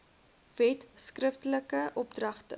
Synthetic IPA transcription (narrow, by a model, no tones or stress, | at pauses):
vɛtskrəftələkəʔɔp̚drɐχtə̰